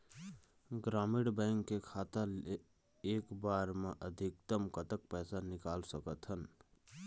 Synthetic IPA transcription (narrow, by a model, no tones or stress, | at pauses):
ɡɾaːmɪɽbə̃ɪŋkːekʰaːt̪əle | eːkbaːɾmeʔəd̪ʱɪk̚t̪əmkət̪ək̚pɛːsanɪkaːlsəkət̪ɦən